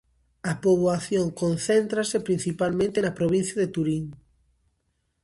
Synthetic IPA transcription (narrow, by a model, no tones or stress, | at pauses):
ɐpoβwaθjoŋkon̟θent̪ɾasepɾin̟θipalmẽnt̪enɐpɾoβĩn̟θjɐðet̪uɾiŋ